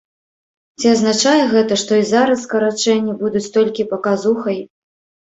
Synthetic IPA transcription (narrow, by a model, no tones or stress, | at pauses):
t͡sʲiaznat͡ʂajɛɣɛt̪ɐʂt̪ɔizaɾɐskɐɾat͡ʂɛnʲːibud̪ut͡sʲt̪ɔlʲkʲipɐkazuxɐj